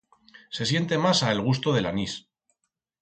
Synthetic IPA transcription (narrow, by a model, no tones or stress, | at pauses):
se̞sje̞nt̪e̞masaelɣ̞ust̪oðe̞lanis